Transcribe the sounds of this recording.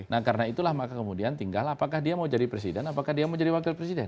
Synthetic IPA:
nahkaɾənait̪ulahmakakəmudiant̪iŋɡalapakahdiamaud͡ʒadipɾes̬idɛnapakahdiamaud͡ʒadiwakɪlpɾes̬idɛn

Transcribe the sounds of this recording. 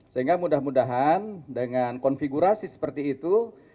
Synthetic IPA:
səɦiŋɡamudahmudaɦandəŋankɔnfiɡuɾasisə̥pərt̪iːt̪u

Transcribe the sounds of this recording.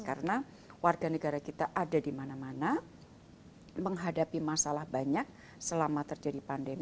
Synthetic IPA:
kaɾəna | warɡanəɡaɾakit̪aʔadadimanamana | məŋɦadapimasalahbaɲak̚ | səlamat̪ərd͡ʒadipandem

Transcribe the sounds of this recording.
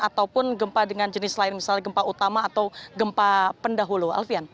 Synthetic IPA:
at̪awpʊnɡəmpadəŋand͡ʒənɪslaɪnmisalɲaɡəmpaut̪amaːt̪awɡəmpapəndaɦulua̰lfian

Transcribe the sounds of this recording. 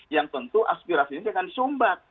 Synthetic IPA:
jaŋt̪ənt̪uʔaspiɾasiɲisiakansumbak̚

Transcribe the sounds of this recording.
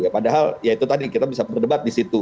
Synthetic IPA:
japadaɦaljait̪ut̪adikit̪abisapərdəbat̪̚disit̪u

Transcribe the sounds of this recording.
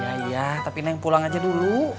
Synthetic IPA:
aijat̪apinajaŋpulaŋad͡ʒadulu

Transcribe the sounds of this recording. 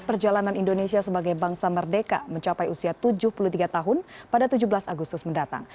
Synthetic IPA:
pərd͡ʒalananindonesiasəbaɡajbaŋsamərdeka̰məɲt͡ʃapajusiat̪ud͡ʒʊhpulut̪iɡat̪aɦʊnpadat̪ud͡ʒubəlasaɡust̪ʊsməndat̪a̰ŋ

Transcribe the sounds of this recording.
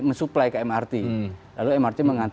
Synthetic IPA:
məsuplajkaɛmart̪ilaluɛmart̪iməŋant̪

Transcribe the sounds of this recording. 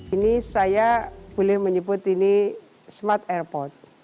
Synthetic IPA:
inisajab̥olɛhməɲəbʊt̪ini | smat̪ɛrpɔrt̪̚

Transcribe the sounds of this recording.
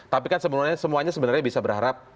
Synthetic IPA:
t̪apikansəbənaɲasəmuaɲasəbənarɲabisabəɾɦaɾap̚

